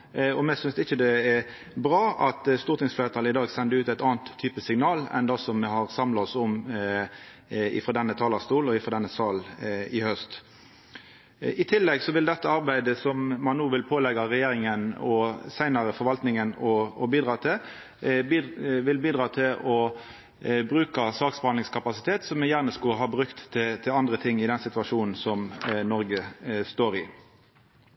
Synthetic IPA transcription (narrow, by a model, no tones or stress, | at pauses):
ɔmɛsʏnsɪçəd̪ɛɛ | bʁɑːɑt̪st̪uːɾt̪ɪŋsfleːɾət̪ʰɑlɪd̪ɑːɡsɛnd̪əʉːt̪æɪt̪ɑːnt̪ʰːyːpəsɪŋnɑːlɛ̰nd̪ɑsɔmːɛhɑʁsɑmlɑɔsɔm | ɪ̰fɾoːd̪ɛnːət̪ʰɑːlɑst̪uːlɔɪfɾoːd̪ɛnːəsɑːlɪhœst̪ | ɪt̪ʰɪlːɛɡsɔʋɪld̪ɛt̪ːəɑʁbæɪd̪əsɔmmɑnːuːʋɪlpʰoːlɛɡɑʁɛjeːɾɪŋənɔsæɪnɑʁəfɔɾʋɑlt̪nɪŋənɔːbiːd̪ʁɑːt̪ʰɪ | ʋɪlbiːd̪ʁɑːt̪ʰɪlɔ | bʁʉːkɑsɑːksbhɑnlɪŋskʰɑpɑsɪt̪ʰeːt̪sɔmɛjæːʁnəskɑɦɑːbʁʉkt̪ːɪt̪ʰɪlɑnd̪ɾət̪ʰɪŋːɪd̪ɛnsɪt̪ʉɑʂuːnn̩sɔmnɔɾɡəst̪oːɾɪ